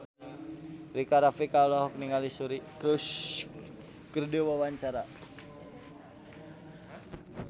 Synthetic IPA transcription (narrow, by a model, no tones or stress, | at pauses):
ɾikaɾafikalɔɦɔk̚niŋalisuɾikɾus | kərdiwawaɲt͡ʃaɾa